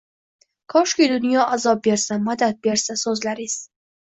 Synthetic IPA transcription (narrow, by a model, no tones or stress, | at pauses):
kʰɒʃkʲijd̪ʊnjɒʔazɒbe̞ɾsamad̪at̪̚be̞ɾsasɵzlaɾɪz̥